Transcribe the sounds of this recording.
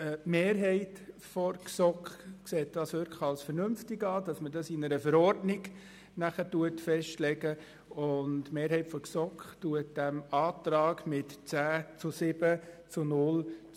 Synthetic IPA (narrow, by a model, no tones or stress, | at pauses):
əmeːɾɦɛɪtfɔɾksɔkχkseːt̚d̥ɑːsʋʏɾkɑlsfəɾnʏmftɪɡɑːdɑsmədɑsinəɾəfəɾɔrdnɪɡ | næχətuətfɛʃtlɛɡə | ʊndmeːɾɦhɛɪtfɔksɔkχtuət̚d̥æmɑːt̪ɾɑːɡmɪtt͡sæːt͡sʊsɪb̥ət͡sʊnʊl